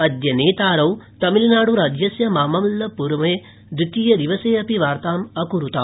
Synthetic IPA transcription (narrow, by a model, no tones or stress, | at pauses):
ɐd̪jɐneːt̪aːɾɐwt̪ɐmilnaːɽuɾaːd͡ʒjɐsjɐmaːmɐmlːɐpuɾmɐeː | d̪ɾit̪ijɐd̪iʋɐseːɐpiʋaːɾt̪aːmɐkuɾut̪a̰ː